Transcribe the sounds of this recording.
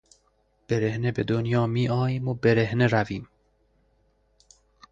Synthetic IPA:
b̥e̞ɾehnebe̞d̪onjɒːmiːʔɒːjiːmobe̞ɾehneɾæviːm

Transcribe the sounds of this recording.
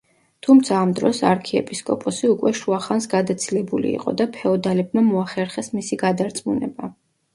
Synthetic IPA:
t̪ʰumt̪sʰaːmd̪ɾɔsaɾkʰiɛ̰pʼiskʼɔpʼɔsiukʼwɛʃuaχansɡad̪at̪sʰilɛbulḭḭqʼɔ̰d̪apʰɛɔd̪alɛb̚mamɔaχɛɾχɛsmisiɡad̪aɾt̪sʼmunɛ̰ba

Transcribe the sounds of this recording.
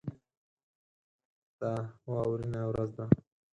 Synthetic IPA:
t̪awawɾinawɾazd̪a

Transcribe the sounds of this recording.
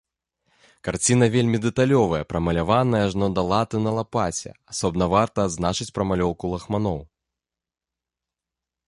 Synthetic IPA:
kart͡sʲin̪ɐvʲelʲmʲid̪ɛt̪alʲɔvɐjɐpɾɐmɐlʲavanɐjɐʐnɔd̪ɐlˠat̪ɨnɐlˠapat͡sʲɛ̰asɔbnɐvart̪ɐːd̪znat͡ʂɨt͡sʲpɾɐmalʲɔwkulˠɐxmanɔw

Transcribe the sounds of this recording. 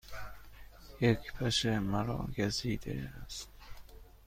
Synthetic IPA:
jekʰpʰæʃemæɾɒ̰ːɡæziːd̪ḛæst̪

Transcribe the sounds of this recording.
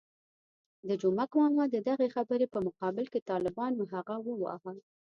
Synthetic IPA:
d̪əd͡ʒomakmɑmɑd̪əd̪aɣexabəɾepəmʊqɑbɪlket̪ɑlɪbɑnoɦaɣawəwɑ̰ɦəl

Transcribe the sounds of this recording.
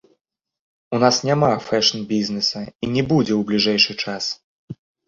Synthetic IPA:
unasnʲamafɛʂnbʲiznɛsɐinʲɛbud͡zʲɛwblʲiʐɛjʂɨt͡ʂas

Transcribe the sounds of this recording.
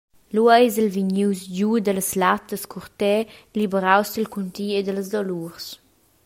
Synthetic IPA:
luajzəlviɲuwsd͡ʒud̪ələslat̪əskʰuɾt̪ɛlibəɾawsd̪əlkunt̪iːed̪ələzd̪ɔluɾs

